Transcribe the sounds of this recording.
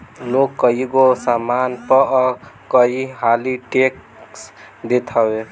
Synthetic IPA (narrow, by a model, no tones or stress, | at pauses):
lokːəɦiɡosamanpəkəɦiɦaliʈek̚ | s | d̪et̪ʰəwe